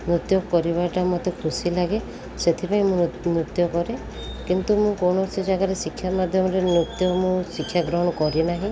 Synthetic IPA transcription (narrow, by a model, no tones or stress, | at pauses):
nut̪jɔkɔɾiβaʈamɔt̪ekʰusilaɡe | set̪ʰipaĩmũnɾut̪jɔkɔɾe | kint̪umũkowɳɔsid͡ʒaɡaɾesikʰːjamad̪ʱjɔmɔɾenut̪jɔmũsikʰːjaɡɾɔɦɔɽ̃ɔkɔɾinaɦĩ